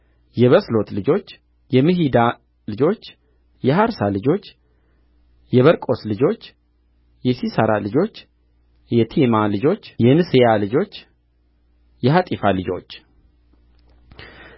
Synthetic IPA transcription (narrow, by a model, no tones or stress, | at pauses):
jɛβəslo̞t̪lɨd͡ʒo̞t͡ʃː | jɛmɨɦid̪a | lɨd͡ʒo̞t͡ʃː | jɛɦaɾsalɨd͡ʒo̞t͡ʃː | jɛβəɾkʼo̞slɨd͡ʒo̞t͡ʃː | jɛsisəɾalɨd͡ʒo̞t͡ʃː | jɛt̪ʰimalɨd͡ʒo̞t͡ʃːjɛnɨsɨjalɨd͡ʒo̞t͡ʃː | jɛɦat̪ʼifalɨd͡ʒo̞̰t͡ʃː